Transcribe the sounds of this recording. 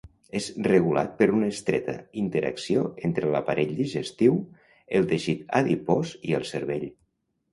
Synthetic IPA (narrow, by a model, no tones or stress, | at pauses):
ezrəɣula̰t̪̚pəɾunəːst̪ɾɛ̰t̪ə̰int̪əɾə̰ksioent̪ɾələpaɾʔeʎd̪iʒəst̪iw | əlˠt̪eʃit̪a̰ðipɔziəlˠsəɾβeʎ